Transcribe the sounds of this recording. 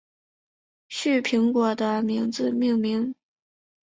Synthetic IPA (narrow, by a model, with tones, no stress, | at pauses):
ɕy˥˩pʰi˧˥ŋkwɔ˨˩d̪ə˧mi˧˥ŋd͡zɹ̩˧mi˥˩˧ŋmi˧˥ŋ